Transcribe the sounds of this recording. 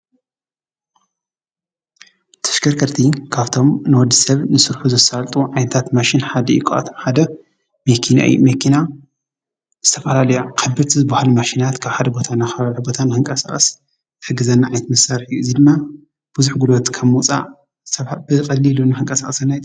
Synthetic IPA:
t̪ʰɐ̥ʃkʰɐɾkʰɐɾt̪ʰikʰaβt̪ʰo̞mnɨwɔd̪ːisɐβnɨsɨɾħuzɐsalt̪ʼuʕajnɐt̪ʰat̪maʃinħad̪ɐjikʰoʔa̰t̪ʰomħad̪ɐ | mekʰina̰jṵmekʰina | zɨt̪ʰɐfɐlalɐjakʰɐbɨɾt̪ʰizɨbahlumaʃinat̪kʰaβħad̪ɐbo̞t̪ʰanaxɐalħobo̞t̪ʰanɨxɨŋkʼɐsa̰χʼɐs | zɨħɨɡːɨzɐnːaʕajnɐt̪mɐsaɾħjuɨzid̪ɨmːa | b̥uzuħɡulot̪kʰaβmut͡sʼa̰ | zɨt̪ʰɐβbɨkʼɐlːilunɨxɨŋkʼɐsa̰χʼsɨnːajt̪ʼ

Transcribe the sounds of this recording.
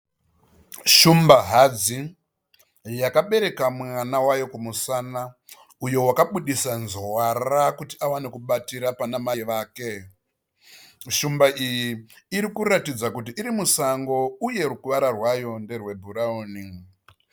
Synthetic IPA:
ʃumbaɦad͡zi | jakaɓe̞ɾe̞kamwanawajo̞kumusana | ujo̞wakaɓuɗisanzwarakutiawanekuɓatiɾapanamaʋaːke̞ | ʃumbaʔijiiɾikuɾatid͡zakut̬iʔiɾimusaŋɡo̞uje̞rukuʋaɾarwajo̞nde̞rwe̞bʱuɾaoːni

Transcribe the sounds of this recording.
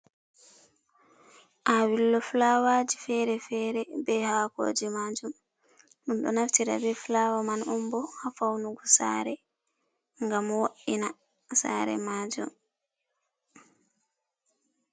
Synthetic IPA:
ʔawilːɔflawad͡ʒifɛɾɛfɛːɾɛbɛhaːko̰ːd͡ʒimaːd͡ʒum | ɗunɗɔ̰naftiɾa̰bɛflawamanɔmbɔhafawnuɡɔsa̰ɾɛ | ŋɡamwoʔːina | sa̰ːɾɛ̰maːd͡ʒṵm

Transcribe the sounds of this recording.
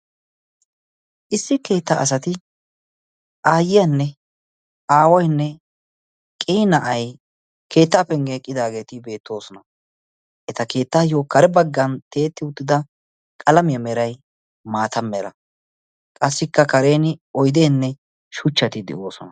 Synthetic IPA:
ʔɪsːɪke̞ːt̪ːɐɐs̬ɐt̪ɪ | ʔaːjɪjɐnːɛ | aːwɔjnːɛ | kʼeːnɐʔɐj | kʰe̞ːt̪ːɐːpɛŋɡeːkʼːɪd̪aːɡe̞ːt̪ɪbe̞ːt̪ːo̞ːsɔnɐ | ʔɛt̪ɐke̞ːt̪ːaːjokɐɾɛbɐɡːɐnt̪e̞ːt̪ːɪʊt̪ːɪd̪ɐ | kʼɐlɐmɪjɐmɛɾɐj | maːt̪ɐmːɛɾɐ | kʼɐsːɪkːɐkɐɾe̞ːnɪɔjd̪e̞ːnːɛ | ʃʊt͡ʃːɐt̪ɪd̪ɛ̰ʔo̞ːsɔnɐ

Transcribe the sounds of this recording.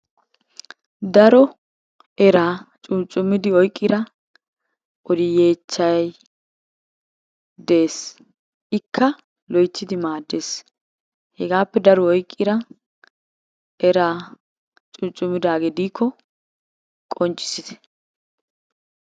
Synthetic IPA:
d̪ɐɾɔ | ɛɾaːt͡ʃʼʊnt͡ʃʼːʊmɪd̪ɪɔjkʼːɪɾɐ | ʔɔd̪ɪjeːt͡ʃːɐjɐj | d̪eːs | ʔɪkʰːɐ | lɔjt͡ʃːɪd̪ɪmaːd̪ːe̞ːs | hɛɡaːpːɛd̪ɐɾɔɔjkʼːɪɾɐ | ɛɾaː | t͡ʃʼʊnt͡ʃʼːʊmɪd̪aːɡɛd̪iːkʰːɔ | kʼɔnt͡ʃʼːɪ̥sɪt̪ɛ̥

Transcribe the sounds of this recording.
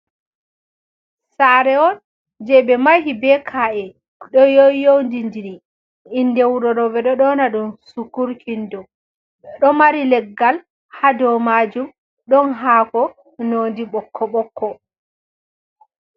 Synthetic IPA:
saɾɛɔn | d͡ʒɛbɛmaɦibɛkʰaʔɛ | ɗɔjɔjowndindini | indɛwuɾɔɾɔbɛɗɔɗɔnaɗumsukuɾkʰindɔ | ɗɔmaɾilɛɡːal | hadɔmad͡ʒum | ɗɔnɦaːkɔ | noːndiɓɔkʰːɔɓɔkʰːɔ

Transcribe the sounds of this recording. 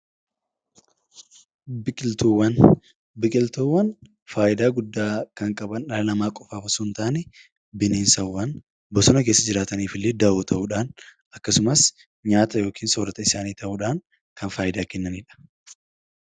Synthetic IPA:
bɪkʼɪlt̪uːwːɐn | bɪkʼɪlt̪uːwːɐn | faːʔɪd̪aːɡʊd̪ːaːkɐŋkʼɐbɐnᶑɐlɐnɐmaːkʼɔfaːfɐsʊnt̪aːnɛ | bɪneːnsɐwːɐn | bɔsɔnɐke̞ːsːɐd͡ʒɪɾaːt̪ɐniːfɪlːeːd̪ɐʔuːt̪ʰɐʔʊᶑaːn | ʔɐkːɐsʊmɐs | ɲaːt̪ɐjo̞ːkʰiːnsoːɾɐt̪ɐɪsaːniːt̪ɐʔʊᶑaːŋ | kʰɐnfaːjɪd̪aːkɛnːɐniːᶑɐ̥

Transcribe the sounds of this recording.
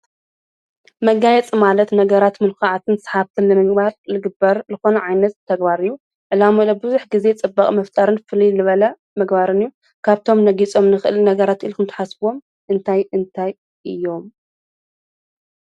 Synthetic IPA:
mɐɡajɛt͡sʼmalɐt̪nɐɡɐɾat̪mɨlkʰaʕat̪ʰɨnsħaβt̪ʰɨnnɨmɨɡbaɾlɨɡɨbɐɾzɨxo̞nɐʕajnɐt̪ʰːɐɡbaɾɨjːu | ʔɨlamɨlɐbɨzuħɡize̞t͡sʼɨbːakʼmɐft̪ʼaɾɨnfɨlizɨβɐlɐ | mɐɡbaɾɨnɨjːu | kʰaβt̪ʰo̞mnɐɡit͡sʼo̞mnɨxɨʔɨlnɐɡɐɾat̪ʔɨlkʰɨmt̪ʰḁħasbwo̞m | ʔɨnt̪ʰajɨnt̪ʰaj | ʔɨjːo̞m

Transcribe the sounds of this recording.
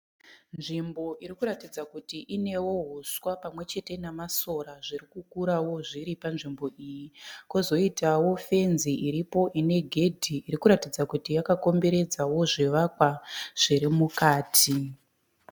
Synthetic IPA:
nʐimbo̞ʔiɾikuɾatid͡zakutiʔine̞wo̞ɦoswapamwe̞t͡ʃe̞te̞namasoɾaʐirikukuɾawo̞ʐiɾipanʐimbo̞ʔijikozo̞itawo̞fe̞nziʔiɾipo̞ʔine̞ɡʱe̞dʱiːrikuɾatid͡zakutijakako̞mbe̞ɾe̞d͡zawo̞ʐeʋakwaʐ̥iɾimukaːtʰi

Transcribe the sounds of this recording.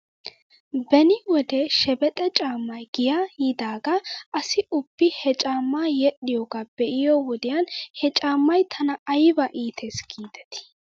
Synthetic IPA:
bɛnɪwɔd̪ɛʃɛbɛt̪ʼɛt͡ʃʼaːmːɐjɡɪjajɪd̪aːɡɐʔɐsɪʊbːɪhɛt͡ʃʼaːmːaːjɛɗɪjoːɡab̥ɛʔɪjoːwɔd̪ɪjanhɛt͡ʃʼaːmːɐjt̪ʰɐnɐɐjɪbɐʔiːt̪ʰesɡ̥iːd̪ɛ̥t̪ɪ̥

